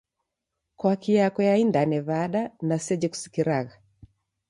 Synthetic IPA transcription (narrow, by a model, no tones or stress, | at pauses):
kwakijakɔjaindanɛβaɗanasɛd͡ʒɛku̥si̥kiɾaɣa